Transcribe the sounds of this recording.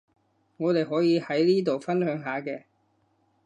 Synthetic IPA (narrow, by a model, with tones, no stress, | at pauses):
ŋɔː˨˧t̪e˨jɦɔː˨˥jiː˨˧hɐ˨˥jliː˥t̪̬o˨wfɐ˥nhœː˨˧˥ŋɦaː˨˧kɛː˧